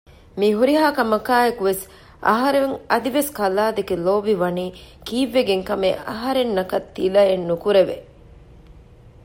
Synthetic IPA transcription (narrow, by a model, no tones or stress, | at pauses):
miɦuɾiɦaːkɐmɐkaːekuʋes | ʔɐ̰ɦɐɾeŋɐd̪iʋeskɐlaːd̪eɡeloːbiʋɐniːkiːʋːeɡeŋkɐmeʔɐɦɐɾenːɐkɐt̪ːilɐjenːukuɾeʋḛ